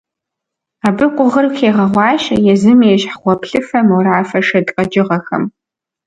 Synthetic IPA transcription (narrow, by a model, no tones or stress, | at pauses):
aːbɨqʷʼʊʁərxeːʁɐʁʷɑːɕʼɐjɛzɨmeːɕħχʷɔpʰɬɨfɐmwɾaːfɐʂɐdqʼɐd͡ʒʼɪʁɐxɐ̰m